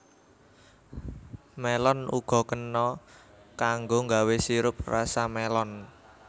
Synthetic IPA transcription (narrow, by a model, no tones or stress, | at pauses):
mɛlɔnṵɡ̥ɔ̤kənːɔ | kaŋɡoŋɡawesiɾʊp̚rasamɛlɔn